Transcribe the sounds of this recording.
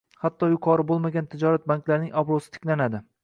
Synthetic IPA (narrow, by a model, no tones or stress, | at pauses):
hat̪ːɒjʊqʰɒɾɪbolˠmaɡʲant̪ʰɪd͡ʒɒɾat̪̚baŋklaɾnɪŋabɾosɪ̥t̪ʰɪ̥kʲlanad̪ɪ